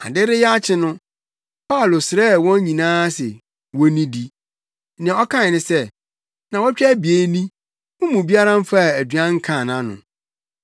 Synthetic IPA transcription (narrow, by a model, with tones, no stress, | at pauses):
a˨dɪ˦ɾɪ˦jɛ˦a˦t͡ɕʰɪ˦nʊ̃˦ | pʰa˦˨lo˨sɪ˨ɾɛ˦˨wɔ̃˦n˦ɲĩ˨nãː˦sɛ̰˨ | wɔ˦nĩ˦di˦ | nɪ̃˨ɔ˦kʰã˦˨nɪ̃˨sɛ˦ | nã˨wɔ˦t͡ɕᶣɛ˦bi˨e˨˦nĩ˦ | wʊ̃˦mũ˨bi˦a˦ɾã˦m̩˦fa˦˨æ˨dɥã˦ŋ̩˦kʰã˦˨nã˦nʊ̰̃˨